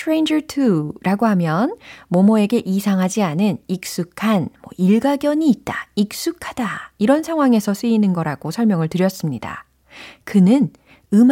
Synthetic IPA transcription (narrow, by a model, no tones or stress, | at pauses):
tʰɾejnd͡ʑʌtʰuɾʔaɡoɦamjʌnmʌmoe̞ɡe̞ʔisʰaŋɦad͡ʑianɯnik̚s͈ukʰanmwʌ̰ʔiɭɡaɡjʌɲiːt̚t͈aik̚s͈ukʰad̥aiɾʌnsʰaŋɦwaŋe̞sʰʌs͈ɯinɯnɡʌɾaɡosʰʌɭmjʌŋɯɭtɯɾjʌs͈ɯmɲida̰ | kɯnɯn | ɯm